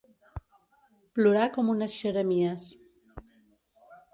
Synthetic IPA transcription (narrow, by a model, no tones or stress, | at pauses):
pluɾakomunəsʃəɾəmiəs